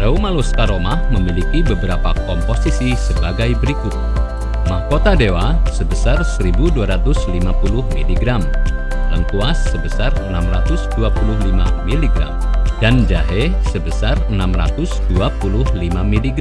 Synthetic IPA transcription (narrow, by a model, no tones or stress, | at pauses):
raumaluskaɾomahməmilikibəbəɾapakɔmposisisəbaɡajbəɾikʊt̪̚ | mahkot̪adewasəbəsarsəɾibuduaɾat̪ʊslimapulʊhmiliɡɾam | ləŋkuasːəbəsarənamrat̪ʊsduapulʊhlima̰miliɡɾa̰mdand͡ʒaɦesəbəsarənamra̰t̪ʊsduapulʊhlimamiliɡ